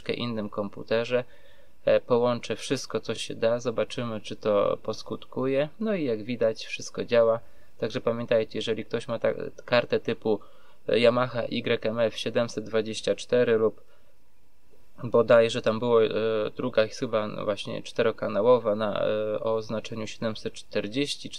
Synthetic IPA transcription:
kɛ̰ʔḭnːɘmkɔmpṵt̪ɛʐɛ | pɔwɔnt͡ʂɛfʂɘst̪̚kɔt̪sɔɕɛ̰d̪azɔbat͡ʂɘmɘt͡ʂɘt̪ɔ̰pɔskut̪kujɛnɔijaɡvʲid̪at͡ɕfʂɘst̪̚kɔd͡ʑawa | t̪aɡʐɛpamʲjɛnt̪ajt͡ɕɛjɛʐɛlʲik̚t̪ɔɕmat̪a̰kaɾt̪ɛt̪ɘpu | jamaxaʔiɡɾɛkɛmɛfɕɛd̪ɛmsɛd̪̚d̪vad͡ʑeɕt͡ɕat͡ʂt̪ɛɾɘlup | bɔd̪ajɛʐɛt̪ambɘwɔd̪ɾuɡaxɘbavwaɕɲɛ̰t͡ʂt̪ɛɾɔkanawɔvana̰ɔ̰znat͡ʂɛɲuɕɛd̪ɛmsɛt̪̚t͡ʂt̪ɛɾd͡ʑeɕt͡ɕi

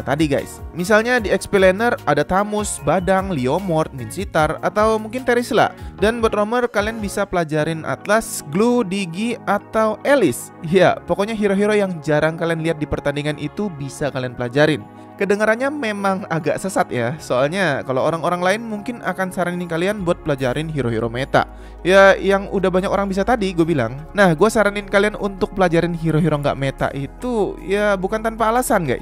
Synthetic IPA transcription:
t̪adiɡa̰jsmisalɲadiɛkspilenəradat̪amʊsbadaŋliomɔrt̪̚minsit̪ara̰t̪awmuŋkɪnt̪eɾisla̰danbɔt̪̚romərkalianbisapəlad͡ʒaɾɪnʔa̰t̪lasɡludiɡiat̪awelɪs | ja̰pokɔɲaɦiɾoɦiɾojaŋd͡ʒaɾaŋkalianliat̪̚dipərt̪andiŋanʔit̪ubisakalianpəlad͡ʒaɾɪn | kədəŋaɾanɲamemaŋaɡa̰ʔsəsat̪jasoalɲakalooɾaŋoɾaŋlaɪnmuŋkɪna̰kansaɾaniɪnkalianbuat̪̚pəlad͡ʒaɾɪnɦiɾoɦiɾʔomet̪a̰ʔ | jajaŋudahbaɲakoɾaŋbis̬at̪adiɡuabila̰ŋnahɡuasaɾanɪnkalianunt̪ʊk̚pəlad͡ʒaɾɪnɦiɾoɦiɾoŋɡa̰ʔmet̪a̰ʔit̪ujabukant̪anpaːlasanɡa̰j

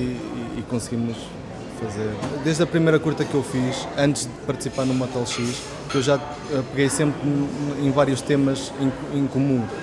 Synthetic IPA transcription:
iːkõsɣimuʃ | fɐzeɾd̪eʒd̪ɐpɾimejɾɐkuɾt̪ɐkewfiʃɐ̃nt̪ʒðɨpɐɾt̪ɨ̥sipaɾnumɔt̪ɛlˠʃiʃ | ewʒa | ɛpɨɣejsẽmpɾẽj̃vaɾjuʃt̪emɐz | ẽ | ẽkumũ

